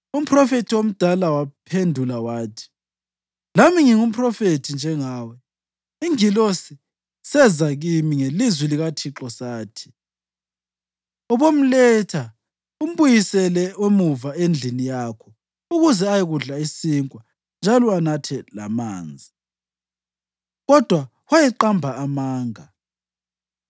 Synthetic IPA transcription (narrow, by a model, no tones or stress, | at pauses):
um̩pʰʼrɔfetʰiwom̩d̥ʱalawapʰendʱulawaːtʰi̥ | lamiŋiŋum̩pʰʼrɔfetʰind͡ʒʱɛŋaːwɛ | iŋilosi | sɛzaɣimiŋelizwiliɣatʰiǁɔsaːtʰi̥ | ɔβom̩lɛtʰa | um̩βujisɛlɛwemuvaend͡ɮʱinijakʰɔ | uɣuzɛajɛɣuɮaisiŋkʼwa | nd͡ʒʱalɔanatʰɛla̰ma̰ːnd͡zʱi | ɣɔd̥ʱwa | wajɛǃambʱaamaːŋa